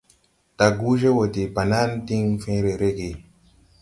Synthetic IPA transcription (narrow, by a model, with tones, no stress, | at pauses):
ta˨ɡu˦ʒe˦wo˨te˨pa˨na˦nti˦ŋfẽ˦ɾe˨ɾe˦ɡe˨